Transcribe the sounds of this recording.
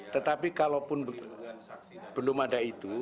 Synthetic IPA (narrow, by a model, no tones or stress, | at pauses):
t̪ət̪apikalopʊnb | b̥əlʊmadait̪u